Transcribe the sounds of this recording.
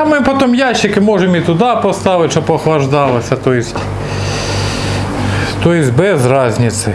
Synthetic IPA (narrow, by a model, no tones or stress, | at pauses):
ɐmɪpɔt̪ɔmjaʃːɪkɪmɔʒemit̪ʊd̪ɑpɔst̪ɑʋɪtʲʃɔbɔxlˠɐʒd̪ɑlˠɐsʲɐt̪ɔjsʲtʲ | t̪ɔjɪsʲbɛzrɑzʲnʲɪt̪sɪ